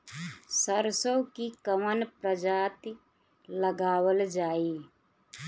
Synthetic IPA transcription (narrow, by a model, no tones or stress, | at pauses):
səɾsəwkikəmənpɾəd͡ʒaːt̪i | ləɡaːwəld͡ʒaːi